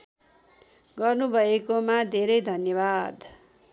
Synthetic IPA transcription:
ɡʌrnubʱʌekomad̪ʱeɾʌjd̪ʱʌnjʌbad̪

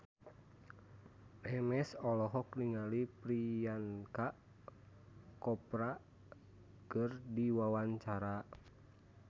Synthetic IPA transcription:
ʔɛmɛsɔlɔɦɔkliŋalipɾijankaʔ | kɔpɾa | kɨrdiwawaɲt͡ʃaɾa

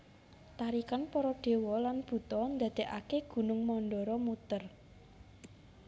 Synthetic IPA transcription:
t̪aɾikanpɔɾɔɖ̪̥e̤wɔlanb̥ṳt̪ɔnd̪a̤d̪̥e̤ʔakeɡ̥ṳnʊŋmɔnɖɔɾɔmut̪ər

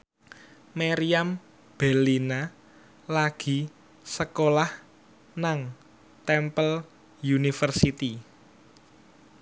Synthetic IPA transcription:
maɾiam | b̥ɛ̤lina | laɡ̥i̤ | səkolah | naŋ | t̪ɛmpəl | junifərsit̪i

